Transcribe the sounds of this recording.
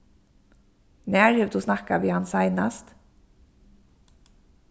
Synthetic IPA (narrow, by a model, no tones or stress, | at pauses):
næːɹhøːʋd̪uːsnɑkaʋiːhɑnsæɪnast̪